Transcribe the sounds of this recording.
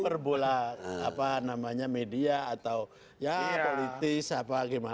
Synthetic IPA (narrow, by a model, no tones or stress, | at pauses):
ərbolaa̰panamaɲamediaːt̪aw | japolit̪ɪsapaɡima